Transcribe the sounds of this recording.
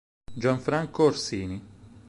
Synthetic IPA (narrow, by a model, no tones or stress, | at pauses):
d͡ʒwaɱfɾaŋkoːɾsiːni